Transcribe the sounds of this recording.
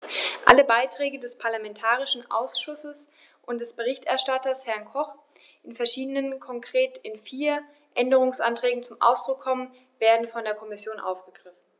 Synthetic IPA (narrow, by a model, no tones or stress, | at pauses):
ʔa̰ləbaɪtʁ̥ɛːɡədɛspʰaɐlamɛntʰaːʁɪʃn̩ʔa̰ʊsʃʊsəs | ʔʊntd̥ɛsb̥əʁ̞ɪçtɛɐʃtatɐshɛɐnkʰɔχ | ʔɪnfɛɐʃiːdənənkʰɔŋkʁ̥eːtɪnfiːɐ | ʔɛndəʁ̞ʊŋsʔantʁ̥ɛːɡŋ̩t͡sʊmʔa̰ʊsd̥ʁʊkʰːɔmən | veːɐdn̩fɔndeːɐkʰɔmɪsjoːnʔa̰ʊfɡ̥əɡ̥ʁɪfn̩